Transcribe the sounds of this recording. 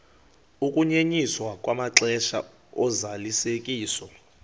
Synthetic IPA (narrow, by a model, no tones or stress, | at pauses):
ukʼuɲeɲiswakʼwamaǁɛʃa̰ | ɔzalisekʼiːsɔ